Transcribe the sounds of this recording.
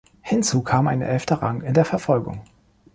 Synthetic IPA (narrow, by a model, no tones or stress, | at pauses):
hɪnt͡suːkʰaːmʔa̰ɪnə̰ʔɛftɐʁaŋɪndeːɐfɛɐfɔlɡʊ̰ŋ